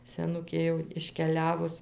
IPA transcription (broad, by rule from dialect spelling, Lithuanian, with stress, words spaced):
sʲɛˈnʊkʲeː jɛʊ ɪʃʲkʲɛˈlʲæːʋʊs